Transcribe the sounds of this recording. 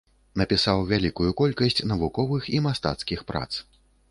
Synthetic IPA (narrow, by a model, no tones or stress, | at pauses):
nɐpʲisawvʲalʲikujukɔlʲkɐsʲt͡sʲnɐvukɔvɨximast̪a̰t̪skʲixpɾa̰t̪s